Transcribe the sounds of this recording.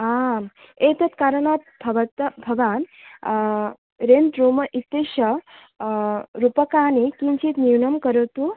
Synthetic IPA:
am | et̪ɐt̪kaɾəɳat̪̚bʱɐʋɐt̪bʱɐʋaːn | ɾent̪ɾomɐʔit̪ːeʃɐ | ɾupəkaːnikint͡ʃʰit̪niwnɐmkəɾəʋt̪u

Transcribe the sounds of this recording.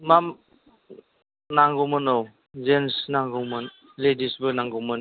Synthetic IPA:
mam | naŋɡɔwmɯnow | zensnaŋɡɯwmɯn | ledisbɯnaŋɡɔwmɯn

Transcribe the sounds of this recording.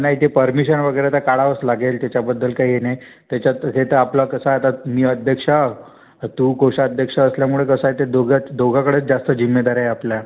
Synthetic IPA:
naɦit̪epəɾmiɕənʋəɡəjɾet̪akaɭaʋəslaɡelt̪jat͡ɕabəd̪ːəlkaɦienaj | t̪jat͡ɕaəset̪əaplakəsaat̪amiːəd̪ʱjəkʂa | t̪uːkoɕaəd̪ʱjəkʂaəsljamuɭekəsaet̪ed̪oɡat͡sd̪oɡakəɽeːt͡sd͡zast̪əd͡ʑimːed̪aɾajaplja

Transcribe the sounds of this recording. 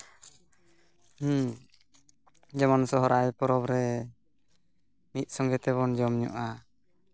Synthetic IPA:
d͡ʒamansɔɦɔɾʔajpɔɾɔbɾɛ | mit̪̚ˀsɔŋɡɛt̪ɛβɔnd͡ʒɔmɲɔ̰ʔa

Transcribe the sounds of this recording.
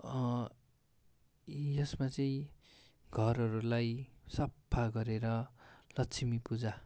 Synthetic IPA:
jʌsmat͡sʌĩ | ɡʱʌɾʌɾulajsʌpʰːaɡʌɾeɾʌlʌtt͡sʰimipud͡za

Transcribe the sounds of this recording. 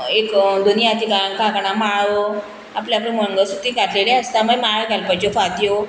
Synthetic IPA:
ekd̪unjat̪ikankãkɳamaɭʋo | apljap̬lə̃məŋɡəsut̪iːkatʰlelẽɦəst̪amajmaɭɡʱalpajt͡ɕofat̪jo

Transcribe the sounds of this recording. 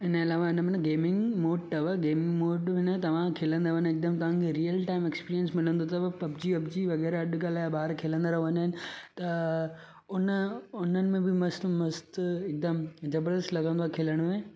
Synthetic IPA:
ɪnɐlaːʋaɪnəmẽnɡeːmɪ̃ŋɡmoːɖʈ̪ɐʋaɡeːmɪ̃ŋɡmoːɖʋɪnət̪ɐʋ̤ãkʰelə̃nd̪aʋənɪk̚d̪əmt̪ɐʋ̤ãkʰeɾijəlʈaːɪmekspiːɾiənsmɪlə̃nd̪ot̪ɐɐbd͡ʑiɐbd͡ʑiʋɐɣɛːɾɐɗɡaːlaːbaːɾkʰeːlə̃nd̪aɾɐɦʋɐ̃naɦɪnɪ̆t̪ɐ | ʊnəʊnənɪ̆mẽbɪmɐst̪mɐst̪ɪk̚d̪əmd͡ʑɐbɾd̪əslɐɡə̃nd̪oaːkʰeːləɽ̃mẽː

